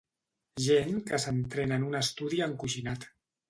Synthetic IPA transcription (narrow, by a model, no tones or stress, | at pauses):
ʒeŋkəsənt̪ɾenənunəst̪uðiəŋkuʒinat̪